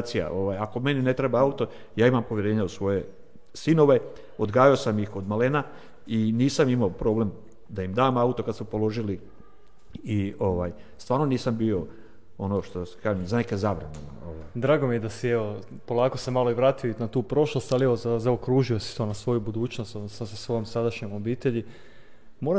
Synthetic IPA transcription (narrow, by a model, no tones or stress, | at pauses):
t̪sija̰ʔo̞ʋaːjako̞me̞nine̞t̪ɾebaaut̪o̞ | jaːimampo̞ʋjeɾe̞ːɲausʋo̞je̞ | sino̞ʋe̞ | od̪ɡaːjaosamjixo̞d̪maleːna | iniːsamimaopɾo̞ːble̞m | d̪aimd̪aːmaut̪okad̪smupo̞lo̞ʒili | io̞ʋa̰j | st̪ʋaːɾno̞niːsambio̞ | o̞noʃt̪oskaʒemzaneke̞zaʋɾenenanoʋajd̪ɾaːɡomijed̪asieʋo̞ | po̞lˠaːko̞semalˠoiʋɾaːt̪ijoinat̪uːpɾo̞ʃlˠost̪alieʋozazaokɾuːʒio̞si̥t̪o̞ːnasʋo̞jubud̪uːt͡ɕnost̪onosasesʋo̞jomsad̪aʃɲemobiːt̪eʎi | moɾa